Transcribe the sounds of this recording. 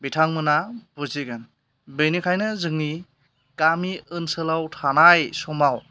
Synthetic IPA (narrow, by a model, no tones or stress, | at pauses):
bitʰaŋmɯnabɔziɡɯn | bɯjnikʰajnɯzɯŋni | kamiɯnsɯlawtʰanajsɔmaw